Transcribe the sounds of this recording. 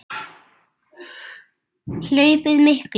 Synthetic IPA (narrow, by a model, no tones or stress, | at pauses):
lʊjpɪt̪mɪhk